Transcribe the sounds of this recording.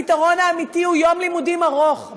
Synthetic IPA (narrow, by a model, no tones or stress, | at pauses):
itaʁo̞naːmit̪ihujo̞mlimudimaʁo̞χ